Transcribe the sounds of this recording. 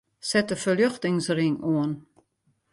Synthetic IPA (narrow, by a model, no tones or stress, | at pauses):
sɛtəfəljøxtɪŋsrɪŋoən